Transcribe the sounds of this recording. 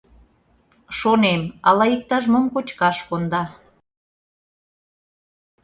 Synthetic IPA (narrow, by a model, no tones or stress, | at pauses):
ʃonemɑlɑik̚t̪ɑʒmomkot͡ɕkɑʃkond̪ɑ